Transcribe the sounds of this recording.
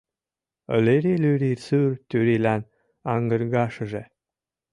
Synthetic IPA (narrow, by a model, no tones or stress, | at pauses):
ə̰leɾelyɾirsyrt̪yɾilæn | ɑŋɡə̆ɾɣɑʃə̆ʒe